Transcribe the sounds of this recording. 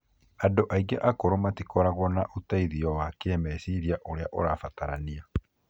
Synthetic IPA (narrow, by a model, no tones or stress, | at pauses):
andoʔaiɡɛʔakoɾomatikɔɾaɣwɔnaʔutaiðiɔwakeɛmɛsiɾiaʔoɾeaʔoɾafataɾania